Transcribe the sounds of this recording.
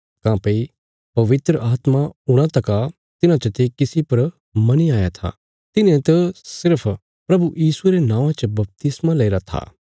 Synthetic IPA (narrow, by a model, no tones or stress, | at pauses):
kãːpɐi | pɐʋɪt̪ɾəʔaːt̪maʊɽ̃ãt̪ɐka | t̪ɪnãt͡ʃət̪ekɪsipɐɾ | mɐniaːjat̪ʰa̰ | t̪ɪnẽt̪əsɪɾpʰ | pɾɐbujiːsueɾenãːʋãt͡ʃəbɐp̚t̪ɪsmalɐɪɾat̪ʰa̰ː